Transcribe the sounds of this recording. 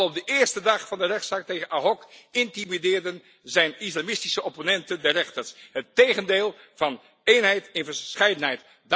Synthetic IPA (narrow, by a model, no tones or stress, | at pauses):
lɔb̚dəʔɪːɹstədɑχfɑndərɛχtsaːk̚tejχənaɦɔkɪntimidɪːɹdən | zɛjnɪslamɪstisəoponɛntəndɛrɛχtəɹsɦətːejχəndeːlˠ | v̥ɑn | ejnɦɛjtɛnvəɹsχɛjdənɦɛjt | d